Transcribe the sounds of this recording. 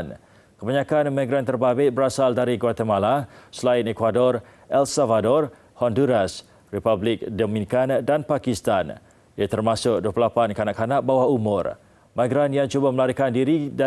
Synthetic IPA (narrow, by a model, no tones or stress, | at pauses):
n | kəbaɲakanmaɡɾant̪ərbabɪt̪̚bəɾasaldaɾiɡəwat̪amalasəlaɪnekwadɔr | ɛlsavadɔr | hɔnduɾas | ripablɪk̚dəmĩnikandanpakist̪an | ijat̪ərmasʊk̚duəpləlapankanaʔkːanak̚bawahumʊr | maɡɾanjaŋt͡ʃubaməlaɾikandiɾida